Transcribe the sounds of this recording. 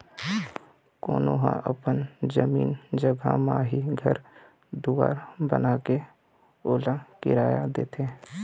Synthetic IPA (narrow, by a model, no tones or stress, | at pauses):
koːnoːɦã̰ʔə̰pənd͡ʒəmiːnd͡ʒəɡʱa̰maːɦiɡʱəɾ | d̪uːa̰ːɾbə̰naːke | oːlakɪ̰ɾaːjad̪eːt̪ʰeː